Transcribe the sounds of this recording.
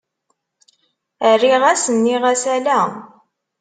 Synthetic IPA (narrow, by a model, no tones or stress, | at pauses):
ərːiʁæsənːiʁæsælæ